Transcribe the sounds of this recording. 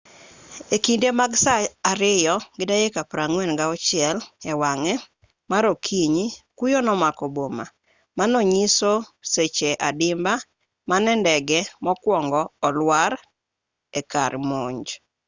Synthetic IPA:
ekindemaɡsaaɾɪjɔɡɪdajekapɾaŋwɛnɡaɔt͡ʃɪɛlɛwaŋɛ | maɾokʰiɲikujɔnɔmakɔboma | manɔɲisoset͡ʃeʔadɪmba | manɛndɛɡɛmɔkwɔŋɡɔːlwaɾ | ɛka̰ɾmoɲd͡ʒ

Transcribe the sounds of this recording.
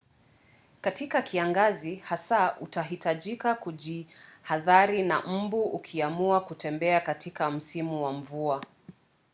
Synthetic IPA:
katikakʰiaŋɡazihasautaɦitaʄikakuʄihaðaɾina̰m̩buʔukʰiamuakutɛmbɛakatikam̩simuwamvua

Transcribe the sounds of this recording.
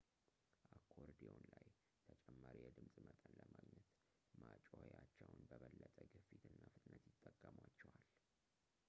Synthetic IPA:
ʔakʰːoɾd̪ionlaj | t̪ʰət͡ʃʼɛmːaɾijɛd̪ɨmsʼmət̪ʼənləmaɡɲət̪ | mat͡ʃʼohejat͡ʃːɛwnbəβəlːət̪ʼəɡɨfit̪ʰɨnːafɨt̪ʼɨnːət̪jɪt̪ʼːəkʼːəmwat͡ʃːɛwal

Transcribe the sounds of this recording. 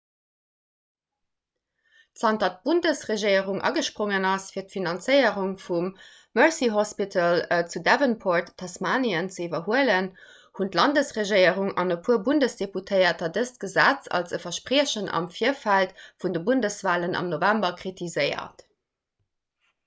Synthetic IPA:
tsɑntɑt̚b̥undəsʁeʒiəʁuŋʔɑ̰ɡəʃpʁoŋənɑsfiːɐtfinɑnt͡səɪəʁuŋfumː | œɹsiɦospitʰələt͡sudævənpʰoɹtʰːɑsmaːniənt͡səivɐhuələn | huntlɑndəsʁeʒiɪəʁuŋɑ̰nəpʰuəbundəsd̥eputʰəɪɐtɐdəst̚ɡ̥əzæt͡sɑ̰lsəfɐʃpʀiəɕənʔɑ̰mfiɐfæltfundəbundəsv̥aːlənʔɑ̰mnovæmbɐkχitʰizəɪɐ̰t

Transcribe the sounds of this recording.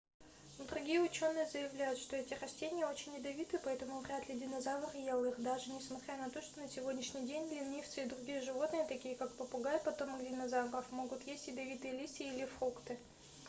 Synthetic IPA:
d̪ɾʊɡʲijəʊt͡ɕo̞nːɨjəzəjɪvlʲæjʊt̪ʂt̪o̞ɛtʲɪɾɐsʲtʲenʲɪjəo̞t͡ɕɪnʲːɪd̪ɐvʲit̪ɨpɐɛt̪əmʊvrʲat̪lʲɪdʲɪnɐzavərjelˠɨxd̪aʐɨnʲɪsmɐt̪ɾʲanɐt̪o̞ʂt̪o̞nəsʲɪvʲo̞dʲnʲɪʂnʲɪjdʲenʲlʲinːʲift̪sɨid̪rʊɡʲijəʐɨvo̞t̪nɨjət̪ɐkʲijəkak̚pəpʊɡajpɐt̪o̞mɡdʲɪnɐzavrəfmo̞ɡʊt̪jesʲtʲɪd̪ɐvʲit̪ɨjəlʲisʲɪilʲɪfrukt̪ɨ

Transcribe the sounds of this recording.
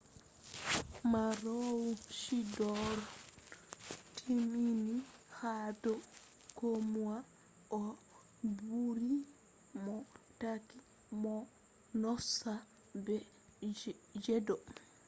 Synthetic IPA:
maɾɔwuʃidɔɾ | tʰiminihadɔ | komuwa | ʔɔ | buɾi | mɔtaki | mɔ | nɔsa | bɛ | d͡ʒɛdɔ

